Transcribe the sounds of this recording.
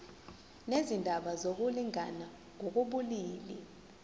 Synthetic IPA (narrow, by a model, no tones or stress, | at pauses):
nezindʱaɓazok̬uliŋa̰na | ŋok̬uɓuliːli